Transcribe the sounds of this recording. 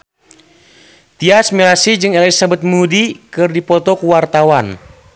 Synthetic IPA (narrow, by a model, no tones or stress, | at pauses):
t̪iasmilasid͡ʒɨŋɛlisabɛt̪̚mudikɨrdipɔt̪ɔkuwart̪awan